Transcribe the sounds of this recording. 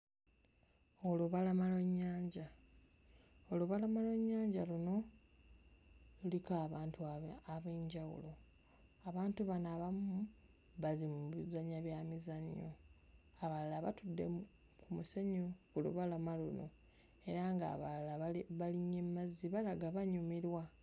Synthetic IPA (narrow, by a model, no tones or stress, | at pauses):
o̞luβalamalweɲːaːɲɟa | oluβalamalweɲːaːɲɟaluno̞ | lulikaːβaːntuaaβeːɲɟawṵlo̞ | aβaːntuβanaβamu | βazimuβizaɲaβjaːmizaɲjo̰ | aβalalaβatudːe̞̰mu | kʰumuseɲoulṵβalamaluno̞̰ | e̞ɾaŋɡa̰ːβa̰llaβaliɲemːazːiβalaɡaβaɲumiɾwa